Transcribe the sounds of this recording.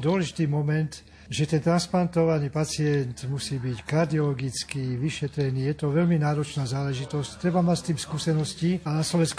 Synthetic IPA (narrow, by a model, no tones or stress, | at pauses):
d̪ʊɔlɛʒit̪iːmɔmɛnt̪ | ʒɛt̪ɛnt̪ɾansplant̪ɔʋaniːpat͡sɪɛnt̪musiːbickaɾd̪iɔlɔɡit͡skiʋiʃɛt̪ɾɛniːjɛt̪ɔʋɛlminaːɾɔt͡ʃnaːzaːlɛʒit̪ɔsct̪ːɾɛbamacst̪iːmskuːsɛnɔscianaslɔʋɛnsk